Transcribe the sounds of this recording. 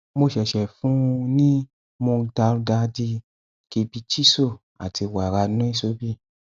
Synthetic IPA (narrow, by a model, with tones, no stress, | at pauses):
mo˧ʃɛ˨ʃɛ˨fũ˦˧nĩ˦ | mõ˧ta˧ɾɡa˧˦di˧ | ke˨˧bi˧t͡ʃi˦so˦˨ | a̰˨ti˧wa˨ɾa˧nũ˦i˦so˨˦bi˦˨